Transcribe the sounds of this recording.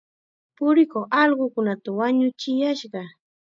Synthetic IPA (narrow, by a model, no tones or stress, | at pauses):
pʊɾɪkoχɑʎɢʊkʊnat̪awaɲʊt͡ʃɪjaʃɢɑ